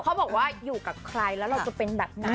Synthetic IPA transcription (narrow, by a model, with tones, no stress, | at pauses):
kʰa˦˥bɔː˨˩k̚waː˥˩juː˨˩ka˨˩p̚kʰɾa˧jlɛː˦˥wɾa˧wt͡ɕa˨˩pe˧nbɛː˨˩p̚na˦˥